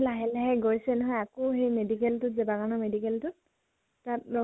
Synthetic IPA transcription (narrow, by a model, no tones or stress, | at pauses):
laɦɛlɛɦɛɡoɹisɛnɔɦɔjakoɦejmedikɛltʊtzɛbaɡanɔmedikɛltʊt | tat̚ɔ